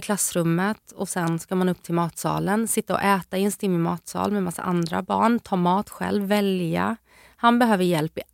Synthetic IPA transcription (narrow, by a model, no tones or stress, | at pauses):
kʰlasːɾɵmːət̪ɔsɛnskaɾmanɵpːt̪ʰɪlmɑːt̪sɑ̰ːlənsɪt̪ːaɔ̰ʔɛːt̪aɪɛnst̪ɪmːɪmɑːt̪sɑ̰ːlmɛmasːa̰ʔand̪ɾa̰bɑ̰ːɳt̪ʰɑːmɑːt̪ɧɛ̰lvːɛlja̰ | hanbɛɦøːvəɾjɛlpɪ